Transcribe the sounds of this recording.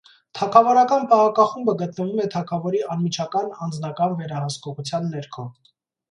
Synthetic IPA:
t̪ʰɑkʰɑvɔɾɑkɑnpɑʁɑkɑχumbəɡət̪nəvumɛt̪ʰɑkʰɑvɔɾiɑnmit͡ʃʰɑkɑnɑnd͡znɑkɑnvɛɾɑhəskɔʁut͡sʰjɑnːɛɾkʰɔ

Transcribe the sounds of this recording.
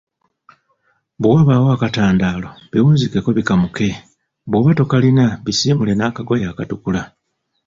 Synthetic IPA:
βuwaβawoakataːndaːlo̞βiwuːzikeko̞βikamuke̞ | βoβato̞kalinaβisiːmule̞naːkaɡo̞jaːkatukula

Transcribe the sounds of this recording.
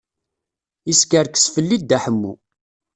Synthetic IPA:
iskəɾksfəlːid̪̚ːæħəmːṵ

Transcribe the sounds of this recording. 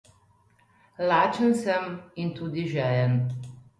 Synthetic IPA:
laːt͡ʃənsɛmint̪uːd̪iʒɛːjɛn

